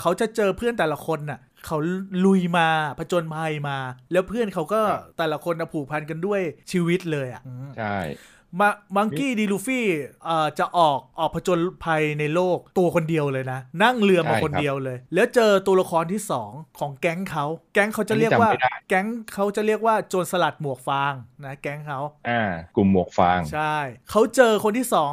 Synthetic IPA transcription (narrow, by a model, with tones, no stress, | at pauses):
kʰa˦˥wt͡ɕa˨˩t͡ɕɤː˧pʰɯ˥˩ənt̪ɛː˨˩la˧˦kʰo˧nːi˧˩ | kʰa˦˥wlu˧jmaː˧pʰa˧t͡ɕo˧npʰa˧jmaː˧lɛː˦˥wpʰɯ˥˩ənkʰa˦˥wkɔː˥˩t̪ɛː˨˩la˧kʰo˧nːa˨˩pʰuː˨˩k̚pʰa˧nka˧ndu˥˩əjt͡ɕʰiː˧wi˦˥t̪̚lɤː˧jʔa̰˨˩ʔʔɯː˧˩˥ | maː˧baː˧ŋkiː˧˩diː˧luː˧fiː˥˩ʔaː˨˩t͡ɕa˨˩ʔɔː˨˩k̚ʔɔː˨˩k̚pʰa˧t͡ɕo˧npʰa˧jna˧jloː˥˩k̚t̪u˧ɐkʰo˧ndi˧əwlɤː˧jna˦˥na˥˩ŋlɯ˧əma˧˩kʰo˧n˦di˧əwlɤː˧jlɛː˦˥wt͡ɕɤː˧t̪u˧ɐla˧kʰɔː˧nt̪ʰiː˥˩sɔː˩˦ŋkʰɔː˩˦ŋkɛ˦˥ŋkʰa˦˥wkɛ˦˥ŋkʰa˦˥wt͡ɕa˨˧ɾi˥˩ə˨˧kwaː˥˩˧a˧kɛ˦˥ŋkʰa˦˥wt͡ɕa˨˩ɾi˥˩ək̚waː˥˩t͡ɕoː˧nsa˧la˨˩t̪̚mu˨˩ək̚faː˧ŋna˦˥kɛ˦˥ŋkʰa˦˥wʔaː˧˩ku˨˩mːu˨˩ək̚faː˧ŋt͡ɕʰa˥˩jkʰa˦˥wt͡ɕɤː˧kʰo˧nt̪iː˥˩sɔː˩˦ŋ